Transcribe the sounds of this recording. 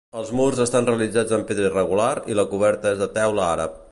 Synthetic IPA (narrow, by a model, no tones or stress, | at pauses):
əlˠzmurzəst̪anreəlid͡zad͡zəmpeðɾəirəɣ̞ulaɾiləkuβ̞ɛɾt̪əezðət̪ɛwləaɾə̰p̚